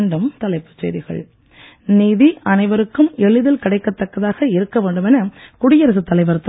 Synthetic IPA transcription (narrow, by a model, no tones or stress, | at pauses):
ɳɖɯmt̪ɐlɐɪpːɯ̥t͡ʃḛːðɪɣɐ̰ɭ | niːðiʔɐnɐɪʋɐɾɯkːɯmɛɭɯðɪlkɪɽɐɪkːɐt̪ːɐkːɐðaːɣɐɪɾɯkːɐʋeːɳɖɯmɛnɐkʊɽɪjɐɾɐsɯt̪ːɐlɐɪʋɐɾɯt̪ː